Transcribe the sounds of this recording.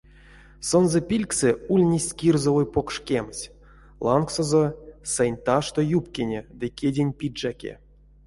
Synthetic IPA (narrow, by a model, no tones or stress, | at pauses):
sonzɛpʲilʲksɨulʲnʲesʲkʲirzovojpokʂkʲemsʲ | lˠɑnksozosɛnʲt̪aʂt̪ojupkʲenʲed̪ɨkʲedʲenʲpʲiʐakʲḛ